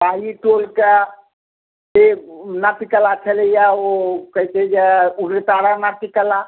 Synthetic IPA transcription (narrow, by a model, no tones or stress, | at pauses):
baɦiʈolka | enapikəlat͡ʃʰəlejaokəɦt̪ed͡ʒeuɡɾət̪aɾanap̪ikəla